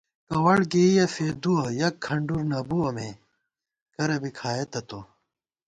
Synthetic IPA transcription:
kɐwɐɽɡeijɐfeːd̪uɐjɐkʰːɐɳɖuɾnɐbuwɐme | kɐɾɐbikʰaːet̪ɐt̪o

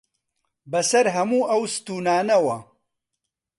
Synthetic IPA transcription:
bɐsɐɾɦɐmuːʔɐwsɨ̥t̪uːnaːnɐwɐ

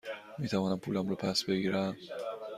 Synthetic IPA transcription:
miːt̪ʰævɒːnæmpʰuːlæmɾɔpʰæsbeɡiːɾæm

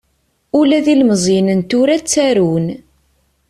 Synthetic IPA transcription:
ulæðilməzˤinənt̪uɾæt͡sːæɾun

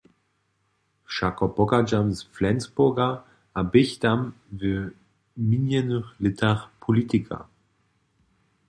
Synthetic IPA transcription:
ʃakɔpɔɡad͡ʒamzflɛnsbʊɡa | abɪçt̪am | və | minjɛnəχlɪt̪ʰaʁpʰɔlit̪ikʰa̰

